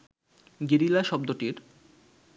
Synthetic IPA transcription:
ɡeɾilaʃɔb̚d̪oʈiɾ

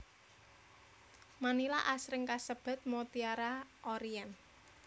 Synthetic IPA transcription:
manila̰ʔasɾɪŋkasəb̥a̤t̪̚mot̪iaɾaʔɔɾian

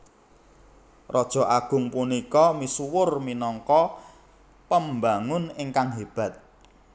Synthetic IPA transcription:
rɔd̥ʒ̥ɔ̤ʔaɡ̥ʊ̤ŋpunikɔmisuwʊrminɔŋkɔ | pəmbaŋʊnɪŋkaŋɦeb̥ä̤t̪̚

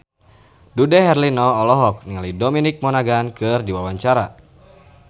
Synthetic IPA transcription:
dudɛɦɛrlinɔːlɔɦɔk̚niŋalidɔminik̚mɔnaɡankɨrdiwawaɲt͡ʃaɾa

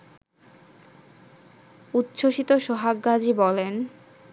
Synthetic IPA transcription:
ut̪ːɕʰoʃit̪oʃoɦaɡɡad͡ʑibɔlen

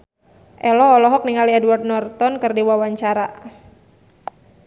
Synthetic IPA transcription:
ʔɛlɔːlɔɦɔk̚niŋaliɛdwart̪̚nɔrt̪ɔnkɨrdiwawaɲt͡ʃaɾa

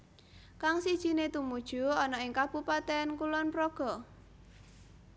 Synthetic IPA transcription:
kaŋsid̥ʒ̥i̤net̪umud̥ʒ̥ṳɔnɔɪŋkab̥ṳpat̪ɛnkulɔnpɾoɡ̥ɔ̤

